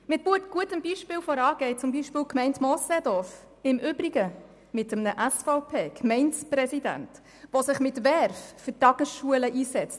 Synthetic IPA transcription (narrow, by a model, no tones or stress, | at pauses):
mɪt̚b̥uətɡ̥uətəmbiʃpɪːlfɔɾɑːɡ̥ɛɪt͡sʊmbiːʃpɪːlkmɛɪntmɔsɛd̪ɔf | ɪmʔʏbɾiɡə | mɪtəmnəʔæsfaʊpʰeːkʰmɛntsprɛsidæ̰nt | ʋosɪχmɪtʋɛɾffʏɾtɑɡ̥əsʃuələʔiːsɛt͡st